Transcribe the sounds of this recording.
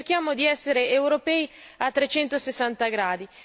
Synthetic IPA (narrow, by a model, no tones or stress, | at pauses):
rk̟jaːmod̪iɛsːeɾeewɾopɛiat̪ːɾet͡ʃɛnt̪osesːant̪aɡɾaːd̪i